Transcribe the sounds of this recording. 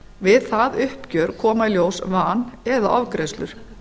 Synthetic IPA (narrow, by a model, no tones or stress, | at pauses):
vɪðθaðʏhpcœɾkʰɔːmaljoːwsvaːnɛða̰ʔɔ̰vkɾest̪lʏ̰ɾ̥